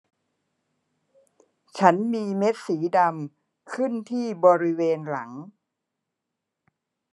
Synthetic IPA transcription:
t͡ɕʰa˦˥nmiː˧me˦˥t̪̚siː˩˦da˧m | kʰɯ˥˩nt̪ʰiː˥˩bɔː˧ɾi˦˥weː˧nla˩˦ŋ

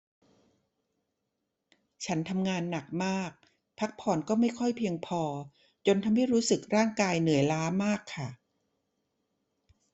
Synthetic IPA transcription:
t͡ɕʰa˦˥nt̪ʰa˧mŋaː˧nːa˨˩k̚maː˥˩k̚ | pʰa˦˥k̚pʰɔː˧nkɔː˥˩ma˥˩jkʰɔ˥˩jpʰi˧əŋpʰɔː˧ | t͡ɕo˧nt̪ʰa˧mha˥˩jɾuː˦˥sɯ˨˩k̚ɾaː˥˩ŋkaː˧jnɯ˩˦jlaː˦˥maː˥˩kʰːa˥˩

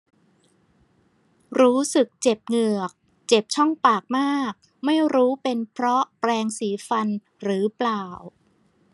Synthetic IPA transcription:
ɾuː˦˥sɯ˨˩k̚t͡ɕe˨˩p̚ŋɯ˨˩ək̚ | t͡ɕe˨˩p̚t͡ɕʰɔ˥˩ŋpaː˨˩k̚maː˥˩k̚ | ma˥˩jɾuː˦˥pe˧npʰɾɔ˦˥pɾɛː˧ŋsiː˩˦fa˧n | ɾɯː˩˦plaː˨˩w

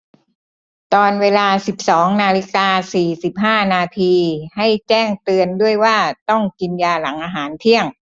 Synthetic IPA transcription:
t̪ɔː˧nweː˧laː˧si˨˩p̚sɔː˩˦ŋnaː˧li˦˥kaː˧siː˨˩si˨˩p̚ɦaː˥˩naː˧t̪ʰiː˧ha˥˩jt͡ɕɛː˥˩ŋt̪ɯ˧əndu˥˩əjwaː˥˩t̪ɔ˥˩ŋki˧njaː˧la˩˦ŋʔaː˧ɦaː˩˦nt̪ʰi˥˩əŋ

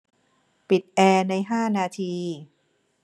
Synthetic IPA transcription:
pi˨˩t̪̚ʔɛː˧na˧jɦaː˥˩naː˧t̪ʰiː˧

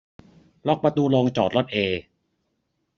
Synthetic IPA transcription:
lɔ˦˥˩k̚pɾa˧t̪uː˧lo˧ŋt͡ɕɔː˨˩t̪̚ɾo˦˥˩t̪̚ʔeː˧

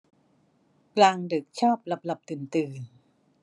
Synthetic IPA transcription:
klaː˧ŋdɯ˨˩k̚t͡ɕʰaː˥˩p̚la˧˩p̚la˨˩p̚t̪ɯː˩˦nt̪ɯː˧n

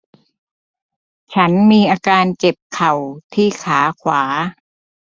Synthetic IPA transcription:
t͡ɕʰa˦˥nmiː˧ʔaː˧kaː˧nt͡ɕe˨˩p̚kʰa˨˩wt̪ʰiː˥˩kʰaː˩˦kʰwaː˩˦

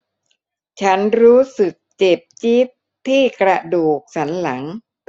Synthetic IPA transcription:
t͡ɕʰa˦˥nɾuː˦˥sɯ˨˩k̚t͡ɕe˨˩p̚t͡ɕi˦˥p̚ | t̪ʰːiː˥˩kɾa˧duː˨˩k̚t͡ɕʰa˦˥nla˩˦ŋ

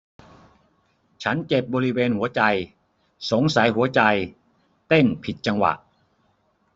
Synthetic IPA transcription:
t͡ɕʰa˦˥nt͡ɕe˨˩p̚bɔː˧ɾi˦˥weː˧nhu˩˦ɐt͡ɕa˧j | so˩˦ŋsa˩˦jɦu˩˦ɐt͡ɕa˧j | t̪e˥˩npʰi˨˩t̪̚t͡ɕa˧ŋwa̰˨˩ʔ

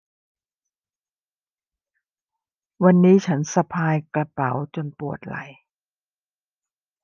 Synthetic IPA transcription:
wa˧nːiː˦˥t͡ɕʰa˦˥nsa˧pʰaː˧jka˧pa˩˦wt͡ɕo˧npu˨˩ət̪̚la̰˨˩˦j

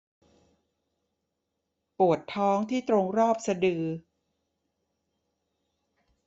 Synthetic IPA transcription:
pu˨˩ət̪ʰːɔː˦˥ŋt̪ʰiː˥˩t̪ɾo˧ŋɾɔː˥˩p̚sa˧dɯː˧

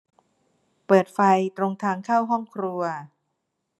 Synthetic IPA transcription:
pɤː˨˩t̪̚fa˧jt̪ɾo˧ŋt̪ʰaː˧ŋkʰaː˥˩wɦɔ˥˩ŋkʰɾu˧ɐ

